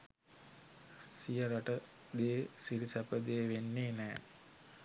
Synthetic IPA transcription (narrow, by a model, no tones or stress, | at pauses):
sijəɾaʈə | d̪eːsiɾisæpəd̪eːʋenːeːnɛː